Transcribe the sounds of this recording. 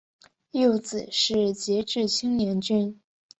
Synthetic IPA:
jo˥˩ʊt͡sɹ̩˨˩ʂɻ̩˥˩t͡ɕjɛ˧˥ʈ͡ʂɻ̩˥˩t͡ɕʰi˥ŋnjɛ˧˥nt͡ɕy˥n

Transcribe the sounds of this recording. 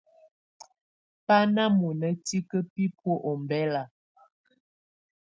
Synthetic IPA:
pa˦na˦mu˨nə˦ti˦kə˦pi˦pwo˦ʔo˨mbɛ˦la˨

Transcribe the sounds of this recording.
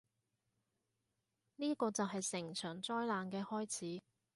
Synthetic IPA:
niː˥kɔː˧t͡sɐ˨wɦɐ˨jsɪ˨˩ŋt͡ʃʰœː˨˩ŋt͡sɔː˥jlaː˨nkɛː˧hɔː˥jt͡sʰiː˨˦˥

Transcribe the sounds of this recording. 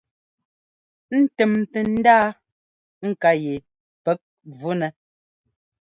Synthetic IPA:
n̩˦tɛ˨mtɛ˨n̩˦daː˦ | ŋ̩˨ka˨je˨ | pɛ˨˦k̚ | vu˦nɛ˨

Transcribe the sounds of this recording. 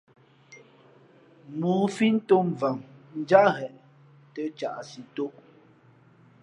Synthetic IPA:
muː˨˦fi˦n̩˦to˦m˨va˨ŋn̩˨˦d͡ʒa˦ɣɛ˨ʔ | tɛ˦t͡ʃa̰˨ʔsi˨to˦ʔ

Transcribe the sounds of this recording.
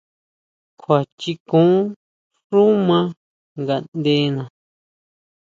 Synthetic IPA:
kʰa˨t͡ʃi˧kũ˦ | ʐu˦mã˦ | ŋɡa˨nd̪e˧˦nã˨

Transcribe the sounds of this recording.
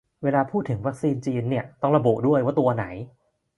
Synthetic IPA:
weː˧laː˧pʰuː˥˩t̪ʰːɯ˩˦ŋwa˦˥k̚siː˧nt͡ɕiː˧nːi˥˩ɐt̪ɔ˥˩ŋɾa˧bu˨˩ʔdu˥˩əjwaː˥˩t̪u˧ɐna˩˦j

